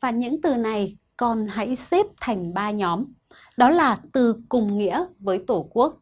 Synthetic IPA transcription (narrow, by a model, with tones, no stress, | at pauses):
vaː˨˩ɲɨ̰˧˥ŋt̪ɨ˨˩na˨˩jkɔ˨˩nɦa̰˧˥jsɛ˦˥p̚t̪ʰa˨˩jŋ̟ɓaː˧ɲɔ˨˦m | ɗɔ˨˦laː˨˩t̪ɨ˨˩kʊ˨˩ŋ͡mŋḭ˧˥əvəː˨˦jt̪o˧˩ku˦˥ək̚